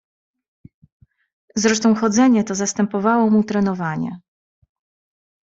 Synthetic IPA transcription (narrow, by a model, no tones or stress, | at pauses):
zɾɛʂt̪ɔ̃w̃xɔd̪zɛɲɛt̪ɔzast̪ɛmpɔvawɔmut̪ɾɛn̪ɔvaɲɛ̰